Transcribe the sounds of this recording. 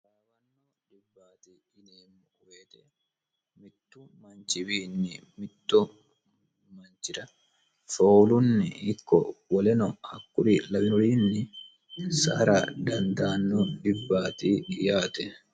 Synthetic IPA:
waːwɐnːo | ᶑɪbːaːt̪iː | ɪneːmːʊkʼʊweːt̪ɛ | mɪt̪ːʊmɐnt͡ʃɪbiːnːɪmɪt̪ːɔ | mɐnt͡ʃɪɾɐ | foːlʊnːɪɪkːɔ̰wɔlɛnɔhɐkːʊɾilɐbɪnɔɾiːnːɪ | sɐ̰ɾad̪ɐnd̪aːnːoᶑɪbːaːt̪ijaːt̪ɛ

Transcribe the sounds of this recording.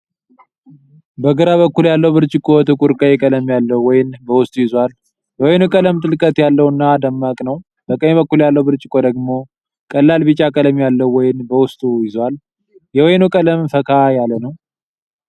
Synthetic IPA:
bəɡəɾaβəkːuljalːəwbɨɾt͡ʃʼɪkʼːot̪ʰɨkʼuɾkʼəjɛkʼələmjalːəwɔjɪnbəwʊst̪ʼujɪzwal | bəwɔjnukʼələmt̪ʼɨlkʼət̪jalːəwɨnːad̪əmːakʼnəw | b̥əkʼəɲbəkːuljalːəwbɨɾt͡ʃʼɪkʼod̪əɡmo̞ | kʼəlːalbɨt͡ʃʼakʼələmjalːəwɔjɪnbəwʊst̪ʼujɪzwal | jɛwɔjnukʼələmfəkʰajalənəw

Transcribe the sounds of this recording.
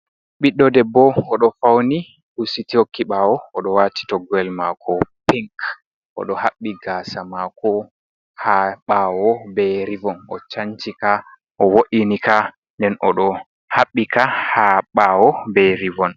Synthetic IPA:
ɓiɗɔdɛbɔɔɗɔfawni | husitihokːiɓawɔːɗɔwaːti̥tɔɡɛlmakʰɔpiŋk | ʔɔ̰ɗɔhaɓːiɡasamakɔ | haɓawɔbɛɾivɔnɔ̰t͡ʃaɲt͡ʃika | ʔɔwoɗinika | ndɛnɔɗɔ | haɓːikahaɓawɔbɛɾivɔn

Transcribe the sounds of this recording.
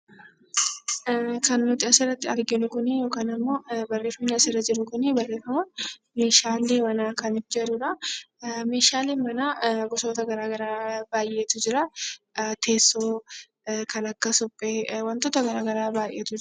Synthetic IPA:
kɐnnʊt̪ɪɐsɪrːɐt̪ːɪɐɾɡɪnʊkʊnɪjo̞ːkaːnɐmːo̞ːbɐrːeːfːɐmnːɪɐsɪrɐd͡ʒɪɾʊkʊnːɪbɐrːe̞ːfɐmʊn | me̞ːʃaːleːmɐnaːkɐnɪd͡ʒɐɾuːᶑɐ | me̞ːʃaːleːmɐnaːɡɔso̞ːt̪ɐɡɐɾaːɡɐɾaːbaːjʔeːt̪ʊd͡ʒɪɾɐ | t̪ʰe̞ːsːoː | kɐnɐkːɐsʊpʼːeːwɐnt̪oːt̪ɐɡɐɾaːɡɐɾaːbaːjʔeːt̪ʊd͡ʒ

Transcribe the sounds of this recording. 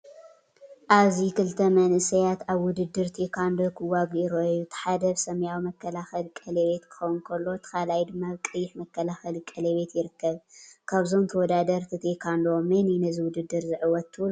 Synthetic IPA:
ʔaβzikɨlt̪ʰɐmɐnʔɨsɐjat̪aβwʊd̪ɨd̪ːɨɾt̪ʰekʰand̪okʰɨwaɡiɾojut̪ʰɨ̥ħad̪ɐβsɐmjawimɐkʰːɐlaxɐlkʼɐleβe̞t̪kʰɨ̥xɐwnkʰɐlːo̞t̪ʰɐ̥xalajd̪ɨmːabɨkʼɨjːɪħmɐkːɐlaxɐlkʼɐleβe̞t̪jɪɾɨkːɐβkʰaβzomt̪ʰɐwɔd̪ad̪ɐɾt̪ʰit̪ʰekʰand̪omeninɐziwʊd̪ɨd̪ːɨɾzɨʕɨwɔt̪ʰːɨl

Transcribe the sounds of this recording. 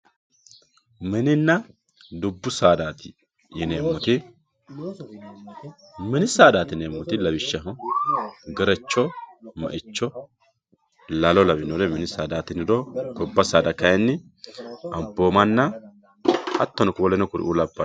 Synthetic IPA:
mɛnɪnːɐ | d̪ʊbːʊsaːd̪aːt̪ɪ | ɪneːmːɔt̪ɪ | mɛnɪsaːd̪aːt̪ɪneːmːɔt̪ɪlɐbɪʃːɐɦɔ | ɡɛɾɛt͡ʃːɔmɐ̰ʔɪt͡ʃːɔ | lɐlɔlɐbɪnɔlɛmɛnɪsaːd̪aːt̪ɪnɪdɔkɔbːɐsaːd̪ɐkɐjɛnːɪ | ɐmboːmɐnːɐ | ɐ̰t̪ːɔnɔkʊwɔlɛnɔkʊɾɪ̰ʔuːlɐbːɐ

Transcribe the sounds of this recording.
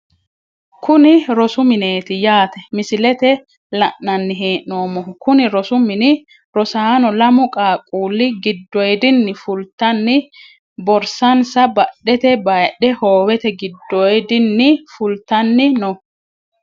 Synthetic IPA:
kʊnɪɾɔsʊmɪneːt̪ɪjaːt̪ɛmɪsɪlɛt̪ɛ | lɐʔnɐnːɪɦeːʔnoːmɔkʊnɪɾɔsʊmɪnɪ | ɾɔsaːnɔlɐmʊkʼaːkʼuːlːɪɡɪd̪ːɔjd̪ɪnːɪfʊlt̪ːɐnːɪ | bɔɾsɐnsɐbɐɗːɛt̪ɛbɐjɗːɛhoːwɛt̪ɛɡɪd̪ːɔjd̪ɪnːɪfʊlt̪ɐnːɪnɔ

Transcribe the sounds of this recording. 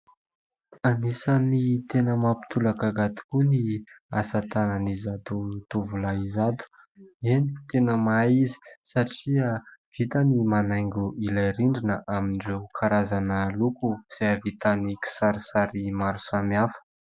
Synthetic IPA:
anisanit̪enəmapi̥t̪ulakaɡat̪i̥kuniasat̪ananizad̪ut̪uvulaizad̪u̥ | enit̪enəmaizi̥saʈ͡ʂiav̥it̪animanajŋɡʲuʔilaɾiɳɖ͡ʐinəʔaminirewkʰaɾazanəlukuz̥eavit̪aniki̥saɾisaɾimaɾusamiafə̥

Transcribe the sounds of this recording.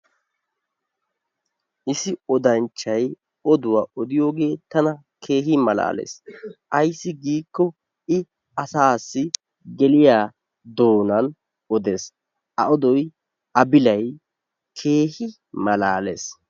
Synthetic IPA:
ʔɪsɪɔd̪ɐnt͡ʃːɐj | ɔd̪ʊwaʔɔd̪ɪjo̞ːɡe̞ːt̪ɐnɐ | kʰe̞ːɦɪmɐla̰ːlḛːsʔɐjsːɪɡiːkːɔ | ɪ | ɐsaːsːɪ | ɡɛlɪjaː | d̪o̞ːnɐn | ɔd̪e̞ːs | ʔɐ̰ʔɔd̪ɔj | ʔɐbɪlɐj | kʰe̞ːhɪ | mɐlaːlḛːs

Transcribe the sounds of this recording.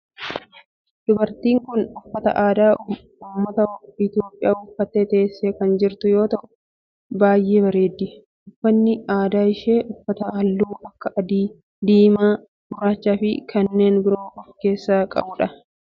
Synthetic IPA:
d̪̥ʊbɐɾt̪iːŋkʊnʊfːɐt̪ɐ̰ʔaːd̪aː | ʊmːɐt̪ɐɪt̪ɪjo̞ːpʼːɪjaːʊfːɐt̪ːeːt̪ɐːsːeːkɐnd͡ʒɪɾt̪ʊjo̞ːt̪ɐʔʊ | baːjʔe̞ːbɐɾe̞ːd̪ːɪ | ʊfːɐnːɪaːd̪aːɪʃeːʔʊfːɐt̪ɐɐlːuːʔɐkːɐʔɐd̪iː | d̪iːmaː | ɡʊɾaːt͡ʃːaːfɪkɐnːe̞ːnbɪɾo̞ːʔɔfke̞ːsːaːkʼɐ̰bʊᶑɐ

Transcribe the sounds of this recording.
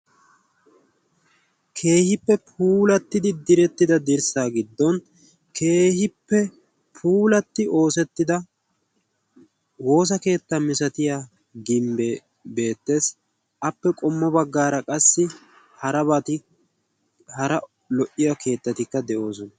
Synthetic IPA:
kʰe̞ːhɪpːɛpʰuːlɐt̪ːɪd̪ɪd̪ɪɾɛt̪ːɪd̪ɐd̪ɪɾsaːɡɪd̪ːɔn | kʰe̞ːhɪpːɛ | pʰuːlɐt̪ːɪo̞ːsɛt̪ːɪd̪ɐ | wo̞ːs̬ɐke̞ːt̪ːɐmɪsɐt̪ɪjaː | ɡɪmbɛ | be̞ːt̪ːe̞ːs | ɐpːɛkʼɔmːɔbɐɡːaːɾɐkʼɐsːɪ | hɐɾɐβaːt̪ɪ | hɐɾɐ | lɔʔɪjɐkʰe̞ːt̪ːɐt̪ɪkːɐd̪ɛʔo̞ːs̬ɔnɐ

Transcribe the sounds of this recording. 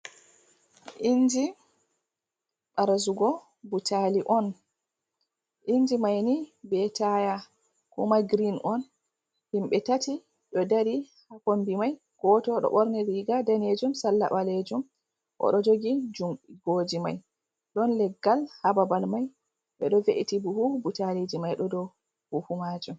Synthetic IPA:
ʔind͡ʒi | ɓaɾazuɡɔ | butaliʔɔn | ʔind͡ʒimajnibɛtaja | kumaɡɾinɔn | himɓɛtati | ɗɔdaɾihakonbimaj | ɡ̥ɔtɔɗɔ̰ɓɔɾniɾiɡadaned͡ʒumsalːa̰ɓaled͡ʒum | ʔɔ̰ɗɔd͡ʒoɡid͡ʒuɡod͡ʒima̰j | ɗɔnlɛɡːalhababalmaj | ɓɛɗɔveʔitibuhubutalid͡ʒimajɗɔdɔ | huhumad͡ʒum

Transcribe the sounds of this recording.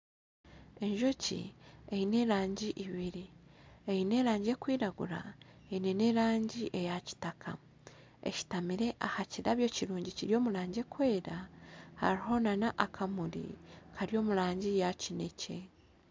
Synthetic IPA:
e̞ɲʒo̞cḭejine̞ɾaːɲɟiʔiβiɾiejine̞ɾaːɲɟie̞kwiːɾaɡṵɾa̰ | eine̞ne̞ɾaːɲɟiʔe̞jaci̥takʰa̰ | ḛci̥tamiɾe̞ʔahaciɾaβjo̞ːciɾuːɲɟiciɾjo̞ːmuɾaːɲɟekwe̞ːɾaha̰ɾiɦo̞nanaʔakʰamuɾḭkʰaɾjo̞ːmuɾaːɲɟijacinecʰe̞

